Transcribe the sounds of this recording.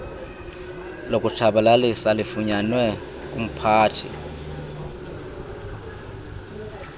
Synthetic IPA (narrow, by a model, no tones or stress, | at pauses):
lokʼut͡ʃʰaɓalalisalifuɲanwɛ | k̬ʼum̩pʰaːtʰḭ